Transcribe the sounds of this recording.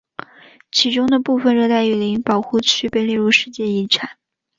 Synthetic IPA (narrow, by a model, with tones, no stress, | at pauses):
t͡ɕʰi˧˥ʈ͡ʂʊ˥ŋd̪ə˨pu˥˩fə˨˩nɻɤ˥˧t̪a˥˩ɪy˨˩li˧˥npɑ˨˩ʊxu˥˩t͡ɕʰy˥pe˥˧ɪlɛ˥˧ɻu˥˧ʂɻ̩˥˧t͡ɕjɛ˥˩i˧˥ʈ͡ʂʰa˨˩˦n